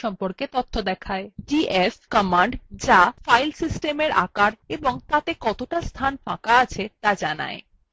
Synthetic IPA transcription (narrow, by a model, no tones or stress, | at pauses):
ɔmpoɾket̪ot̪ʰːod̪ɛkʰaeɖiʔefkɔmaɳɖd͡ʑafajlsisʈemeɾa̰kaɾeboŋt̪at̪ekɔt̪oʈast̪ʰanfãkaat͡ɕʰet̪ad͡ʑana̰e